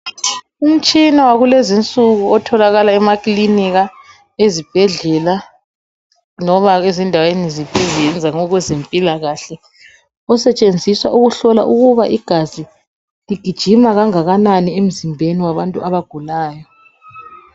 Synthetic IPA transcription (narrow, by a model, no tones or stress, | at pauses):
um̩t͡ʃʼinawaɣulezint͡sʼuɣuɔtʰɔlaɣalaɛmakʼliniɣa | ezib̥ʱɛɮɛla | nɔβaezindʱawenizib̥ʱɛzjɛnd͡zʱaŋɔɣwɛzempʼilaɣaɬɛ | ɔsɛt͡ʃʼend͡zʱiswa̰ʔuɣuɬɔla̰ʔuɣuβaʔiɡ̥ʱazi | liɡ̥ʱid̥ʒ̥ʱimaɣaŋaɣananiem̩zimbʱeniwaβantʼuaβaɡ̥ʱulaːjɔ